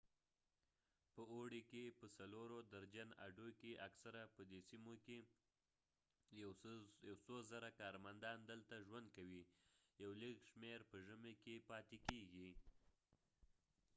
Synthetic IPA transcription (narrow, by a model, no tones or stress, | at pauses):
pəoɽikepəsaloɾod̪aɾd͡ʒana̰ɖokeʔaksaɾapəd̪esimoke | jawsozaɾakɑɾmand̪ɑnd̪əlt̪aʒwand̪̚kawijawləkʃmeɾpəʒəmekepɑt̪ekeɡi